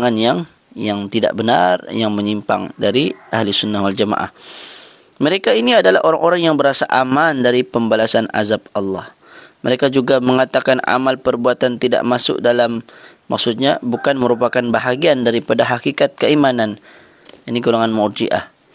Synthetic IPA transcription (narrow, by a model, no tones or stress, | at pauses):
ŋanjaŋ | jaŋt̪ida̰ʔbəna̰rjaŋməɲimpa̰ŋdaɾiʔahlisunːahwald͡ʒama̰ʔa̰h | məɾekainiadala̰hʔoɾaŋʔoɾaŋjaŋbəɾasaʔamandaɾipəmbalasana̰zap̚ɑlːɑh | məɾekad͡ʒuɡaməŋat̪akana̰malpərbuat̪ant̪ida̰ʔmasʊ̰k̚dalamː | aksut̪̚ɲabukanməɾupakanbaɦaɡiandaɾipadaɦakikat̪̚kəimanan | aniɡulaŋanmɔrd͡ʒḭʔa̰h